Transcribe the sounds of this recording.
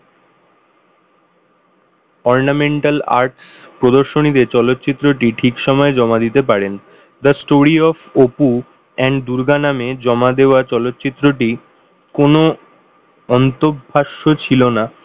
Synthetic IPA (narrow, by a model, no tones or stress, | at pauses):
ɔɾnameɳʈala̰ɾʈspɾod̪oɾʃonit̪et͡ɕɔlot̪ːɕit̪ːɾoʈiʈʰikʃɔmɔed͡ʑɔmad̪it̪ep̬aɾen | d̪əsʈoɾiɔfopu | ɛɳɖd̪uɾɡanamed͡ʑɔmad̪eoat͡ɕɔlot̪ːɕit̪ːɾoʈi | kono | ɔnt̪obʱaʃːot͡ɕʰilona